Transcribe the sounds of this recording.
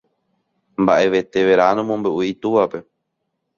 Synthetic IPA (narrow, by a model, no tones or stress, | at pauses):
mbaʔe̞ʋe̞t̪e̞ʋe̞ɾanõmõmbeʔuit̪uʋape̞